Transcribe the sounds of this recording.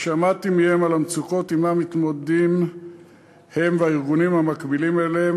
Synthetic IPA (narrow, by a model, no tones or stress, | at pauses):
ʃamat̪imihe̞malamt͡suko̞t̪imamit̪modd̪im | he̞mveaiʁɡunimhamakbilimele